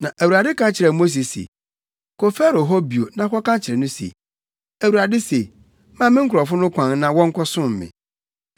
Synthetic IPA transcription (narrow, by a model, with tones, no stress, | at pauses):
nã˨ʔæ˨wu˨ɾa˨dɪ˦kã˦t͡ɕʰɪ˨ɾɛ˨mo˦s̬i˨sḛ˨ | kʰo˨fɛ˦ɾo˨ɦɔ˦bi˨o˨nã˨kɔ˦kã˦t͡ɕʰɪ˨ɾɛ˨nʊ̃˦sḛ˨ | æ˨wu˨ɾa˨dɪ˦se˨ | mã˦˨mɪ̃˦ŋ̩˦kʰʊ˨ɾɔ˨fʊ˦nʊ̃˦kʷʰã˨ŋ˦nã˨wɔ̃˦ŋ̩˦kʰɔ˦sʊ̃˦m˨mɪ̰̃˨